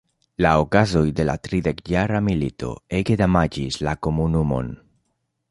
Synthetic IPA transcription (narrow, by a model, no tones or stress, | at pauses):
laokazo̞jde̞la̰tɾide̞kjaɾamilito̞̰eɡedamad͡ʒislako̞munumo̞̰n